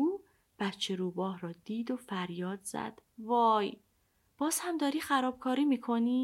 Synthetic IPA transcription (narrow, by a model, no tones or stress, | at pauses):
uː | b̥æt̪t͡ʃʰe̞ɾuːbɒːhɾɒːd̪̥iːd̪ofæɾjɒːd̪z̥æ̰d̪̥vɒːj | b̥ɒːz̥hæmd̪ɒːɾiːxæɾɒːb̥kʰɒːɾiːmiːkʰo̞niː